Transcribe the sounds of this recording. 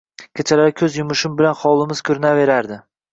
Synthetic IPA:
kʲʰet͡ʃʰalaɾɪkʲʰɵzjʊmʊʃɪmbɪlanχɒlˠɪmɪz̥kʲʰɵɾɪnave̞ɾaɾd̪ɪ

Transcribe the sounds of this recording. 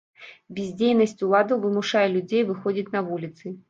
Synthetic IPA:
bʲɪzʲd͡zʲejnɐsʲt͡sʲulˠad̪uvɨmuʂajɛlʲud͡zʲejvɨxɔd͡zʲitʲnɐvulʲit̪sɨ

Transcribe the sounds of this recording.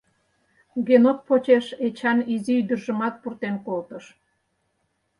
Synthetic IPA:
ɡenot̪̚pot͡ɕeʃet͡ɕɑniziyd̪ə̆rʒə̆mɑt̪̚purt̪enkolt̪əʃ

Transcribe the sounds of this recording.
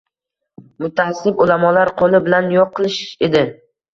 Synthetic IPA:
mʊt̪ʰahasːɪbʊlamɒlaɾqʰolɪbɪlanjɒqʰːɨlˠɪʃe̞d̪ɪ

